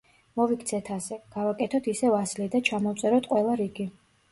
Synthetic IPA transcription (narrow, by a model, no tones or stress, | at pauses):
mɔvikʰt̪sʰɛt̪ʰasɛɡ̥avakʼɛt̪ʰɔt̪ʰisɛvaslid̪at͡ʃʰamɔt̪sʼɛɾɔt̪ʰqʼwɛlˠaɾiɡi